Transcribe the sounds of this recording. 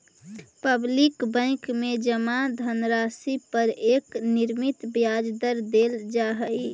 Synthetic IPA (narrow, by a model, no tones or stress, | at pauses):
pəblikbə̃ɪkmed͡ʒəmad̪ʱənɾasipəɾekniɾmit̪bjad͡ʒd̪əɾd̪eld͡ʒaɦəj